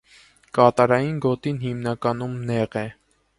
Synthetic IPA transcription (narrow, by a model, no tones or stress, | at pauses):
kɑt̪ɑɾɑjinɡɔt̪inhimnɑkɑnumnɛʁɛ